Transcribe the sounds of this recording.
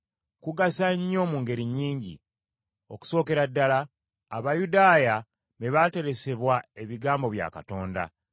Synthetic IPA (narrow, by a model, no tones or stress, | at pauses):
kuɡasaɲːo̞ːmuːŋɡe̞ɾiɲːiːɲɟḭ | o̞ku̥so̞ːke̞ɾadːalaː | βajudaːja | meβate̞ɾe̞se̞βwae̞βiɡaːmbo̞βja̰ːkato̞ːnda̰